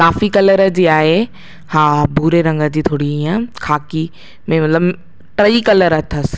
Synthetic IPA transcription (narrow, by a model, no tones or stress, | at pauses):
kaːfikɐləɾəd͡ʑiːaːɦe | haːbuːɾeɾɐ̃ŋɡə̆d͡ʑiːt̪ʰoːɽiiːə̃kʰaːki | mẽmɐt̪ləb | ʈɾəikɐləɾɐt̪ʰəs